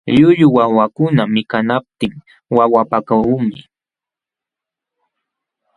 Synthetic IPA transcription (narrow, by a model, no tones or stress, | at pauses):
ʎʊʎʊwawakʊnamɪkanap̚t̪ɪŋ | wawapakaumɪ̰